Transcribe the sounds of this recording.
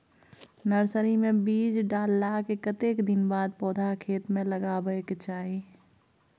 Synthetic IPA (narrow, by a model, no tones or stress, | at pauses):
nəɾsəɾimẽbiːd͡ʒɖaːlːaːkekət̪eːkd̪ɪnbaːd̪̚pɔːd̪ʱakʰeːt̪mẽləɡabəekt͡ʃaːɦi